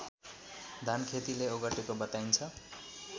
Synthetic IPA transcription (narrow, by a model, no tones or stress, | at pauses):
d̪ʱankʰet̪ileoɡʌʈekobʌt̪ajnt͡sʰʌ